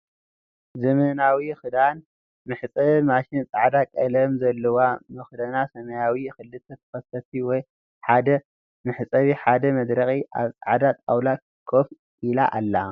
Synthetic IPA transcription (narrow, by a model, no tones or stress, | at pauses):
zɨmɨnawixɨd̪an | mɨħt͡sʼɐmaʃɪnt͡sʼaʕd̪akʼɐlɐmzɐlːɐwamɨxd̪ɐnasɐmɐjawixɨlːɨt̪ʰɐt̪ʰɐ̥xɐsɐt̪iwɔj | ħad̪ɐ | mɨħt͡sʼɐβiħad̪ɐmɐd̪ɾɐxʼiʔa̰βt͡sʼaʕd̪at̪ʼawla | kʰof | ʔila̰ʔalːa